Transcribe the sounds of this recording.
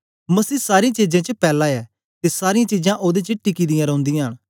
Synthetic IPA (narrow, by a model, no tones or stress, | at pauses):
məsiːsaːɾiãt͡ʃiːd͡ʒẽːt͡ʃəpɛːlãɛː | t̪esaːɾɪjãt͡ʃid͡ʒãʔoːd̪et͡ʃəʈɪkiːd̪ijãːɾɔ̃ːnd̪ijãɦəɽ̃